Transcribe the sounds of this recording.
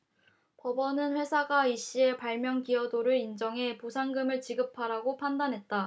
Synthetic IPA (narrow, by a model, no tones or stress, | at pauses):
pʌbʌnɯnɸwe̞sʰaɡaiɕ͈ie̞paɭmjʌŋkiʌdoɾɯɾind͡ʑʌŋɦe̞posʰaŋɡɯmɯɭt͡ɕiɡɯpʰaɾaɡopʰandanɦe̞t̚t͈a